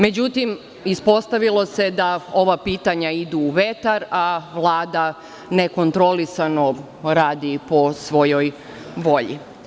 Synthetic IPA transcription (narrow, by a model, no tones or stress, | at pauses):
me̞d͡ʑut̪im | ispo̞st̪aʋilˠo̞se̞d̪ao̞ʋapiːt̪aɲaid̪uːʋe̞t̪aɾaʋlˠaːd̪a | ne̞ko̞nt̪ɾo̞lisano̞ | ɾaːd̪ipo̞sʋo̞jo̞j | ʋo̞ʎḭ